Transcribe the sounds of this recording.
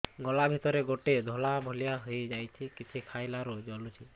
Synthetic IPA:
ɡɔlabʱit̪ɔɾeɡoʈed̪ʱɔlabʱolijaɦojd͡ʒajt͡ʃʰikit͡ʃʰikʰajlaɾud͡ʒɔlut͡ʃʰi

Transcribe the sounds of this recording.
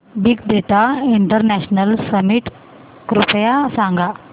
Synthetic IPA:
biɡd̪eʈ̪aiɳʈəɾnæɕnəlsəmiʈ | kɾupjasãŋɡa

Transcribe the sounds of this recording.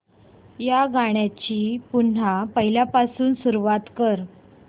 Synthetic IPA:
jaɡaɽ̃jat͡ɕiːpun̤apəɦiljapasuːnsuɾuʋat̪kəɾ

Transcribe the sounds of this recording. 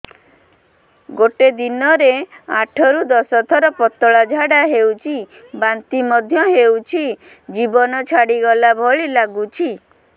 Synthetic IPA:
ɡoʈed̪inɔɾeaʈʰɔɾud̪ɔsɔt̪ʰɔɾɔpɔt̪ɔɭad͡ʒʱaɽaɦewt͡ʃʰi | bant̪imɔd̪ʱjɔɦewt͡ʃʰi | d͡ʒibɔnɔt͡ʃʰaɽiɡɔlabʱɔɭilaɡut͡ʃʰi

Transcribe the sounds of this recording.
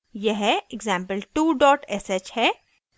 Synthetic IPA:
jɐɦɪɡzãːmpəlʈuːɖɔːʈɛset͡ʃhɛ

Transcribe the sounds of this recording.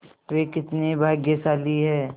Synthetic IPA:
ʋekɪt̪nebʱaːɡjəsaːliɦɛː

